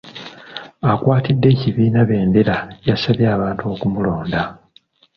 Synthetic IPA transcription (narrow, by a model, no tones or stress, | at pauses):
akwaːtidːe̞ːciβiːnaβe̞ːndeɾajasaβjaːβaːntuo̞ːkumulo̞ːnda